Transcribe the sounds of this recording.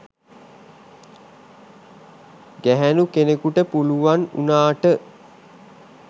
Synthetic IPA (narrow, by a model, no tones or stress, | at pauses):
ɡæɦænukenekuʈəpuluʋanṵnaːʈə